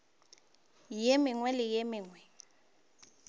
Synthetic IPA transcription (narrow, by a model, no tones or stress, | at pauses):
jemɪŋwɛlɪjemɪːŋwɛ